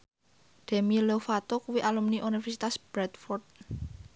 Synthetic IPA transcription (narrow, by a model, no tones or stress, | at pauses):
d̪̥ɛ̤milofat̪okuwiʔalumniʔunifɛrsit̪asb̥ɾɛt̪fɔrd̪̚